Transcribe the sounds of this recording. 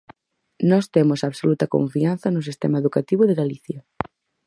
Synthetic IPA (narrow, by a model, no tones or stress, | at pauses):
nɔst̪emʊsaβsolut̪ɐko̰ɱfianθɐnʊs̬ist̪emaeðukat̪iβʊðeɣaliθjɐ